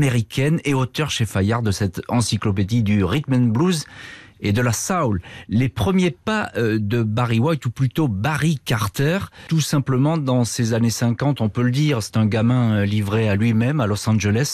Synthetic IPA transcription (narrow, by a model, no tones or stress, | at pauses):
ameʁikʲʰɛneot̪œʁʃefajaʁd̪əsɛt̪ɑ̃siklɔp̬ed̪id̪yʁit̪manbluzed̪əlasawlːepχəmjepaød̪əbaʁiwajt̪uplyt̪obaʁikaʁt̪ɛʁt̪usɛ̃pləmɑ̃d̪ɑ̃sezanesɛ̃kɑ̃t̪ɔ̃pøləd̪iʁsɛ̥t̪ɛ̃ɡamɛ̃livʁealɥimɛmalɔsɑ̃ʒelɛs